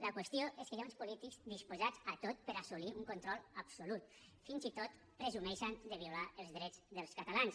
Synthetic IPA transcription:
ləkwəst̪ijoʔeskəjaunspulit̪ikzd̪ispuzad͡zat̪ot̪̚pəɾasuliuŋkont̪ɾɔlˠapsolut̪ | finzit̪ot̪ | pɾəzumɛʃand̪əβ̞iulaəlˠzðɾɛd͡zðəlˠskat̪alans

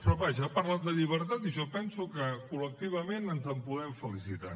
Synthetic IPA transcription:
pɾɔβaʒəpaɾlad̪əʎiβ̞əɾt̪at̪iʒɔpɛnsukəkulək̚t̪iβ̞əmenənzəmpuðɛmfəlisit̪a̰

